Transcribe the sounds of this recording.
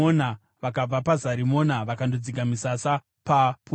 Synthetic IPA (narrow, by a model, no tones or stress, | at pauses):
ona | ʋakab͡vapazaɾimo̞naʋakandod͡ziɡamisasa | papu